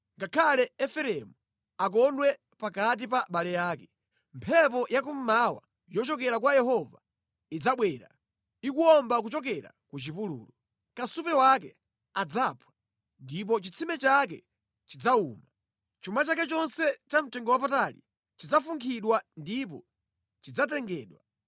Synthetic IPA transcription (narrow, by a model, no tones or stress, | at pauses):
ŋɡakʰalɛɛfɛɾɛmu | ak̬ɔndwɛ | pakat̬ipaɓalɛjaːkɛ | mpʰɛp̬ɔjakum̩mawa̰ | jɔt͡ʃɔk̬ɛɾakwajɛhɔva | id͡zaɓwɛːɾa̰ | ikuɔmbak̬ut͡ʃɔk̬ɛɾa̰kut͡ʃipulṵːlɔ | kasupɛwakɛ | ad͡zapʰwḁ | ndip̬ɔt͡ʃit͡sʰimɛt͡ʃak̬ɛ̰ | t͡ʃid͡zauːma | t͡ʃumat͡ʃakɛt͡ʃɔnsɛt͡ʃam̩tɛŋɡɔwapatalḭ | t͡ʃid͡zafuŋkʰiɗwandip̬ɔ̰ | t͡ʃid͡zatɛŋɡɛːɗwa